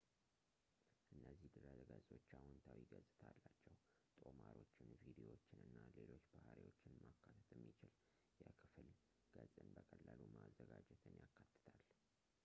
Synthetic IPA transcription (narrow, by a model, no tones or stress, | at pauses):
ʔɨnːəzːihd̪ɨɾazəɡazʼo̞t͡ʃːahʊnt̪ʰawiɡəzʼɨt̪ʰalːat͡ʃːɛw | t̪ʼo̞maɾo̞t͡ʃːɪnvid̪iwo̞t͡ʃːɪnɨnːale̞lo̞t͡ʃːbahaɾiwot͡ʃːɪnmakʰːat̪ʰə̥t̪ʰɛmːit͡ʃɪl | jɛkʰɨfɨl | ɡ̥əzʼɨnbəkʼəlːalumazːəɡad͡ʒɛt̪ʰɨnjakːat̪ːɨ̥t̪ʰal